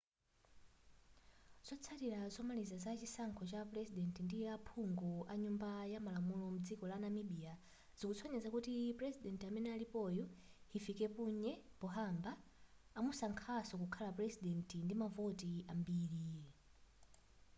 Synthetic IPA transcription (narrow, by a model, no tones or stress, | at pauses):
z̥ɔt͡sʰatiɾazɔmalizazat͡ʃisaŋkʰɔt͡ʃapɾɛzidɛntindijɛapʰuŋɡɔaɲumbajamalamulɔmud͡zikɔlanamiɓia | z̥ikut͡sʰɔɲɛzakutipɾɛzidɛntiamɛnɛalipɔjɔhifikɛpuɲɛpɔɦambaː | musaŋkʰasɔkukʰalaprɛzidɛntindimavɔtiambiːɾi